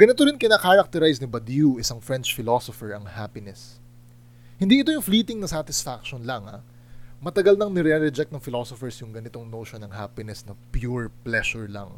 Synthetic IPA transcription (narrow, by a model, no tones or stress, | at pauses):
ɡ̥ɐnɪt̪oɾɪnkɪnakaɾɐk̚t̪ɛɾajsnɪbɐd̪juʔɪsɐŋfɹɛnt͡ʃfɪlosofɛɹɐŋhaːpɪnɛs | hɪ̃nd̪iʔɪt̪ojʊŋfliːt̪ɪŋnɐsat̪ɪsfakʃonlɐŋa̰ | mɐt̪ɐɡɐlnɐŋnɛɾɛɾɛd͡ʒɛk̚t̪nɐŋfɪlosofɛɹsjʊŋɡɐnɪt̪oŋnowʃonɐŋɦaːpɪnɛsnɐpjuɹplɛʃʊɹlɐ̰ŋ